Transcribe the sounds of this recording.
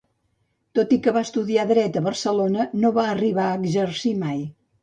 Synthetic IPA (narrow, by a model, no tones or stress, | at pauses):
t̪ot̪ikəβaəst̪uðiaðɾɛt̪əβərsəlonənoβaəriβaəːɡʒərsimaj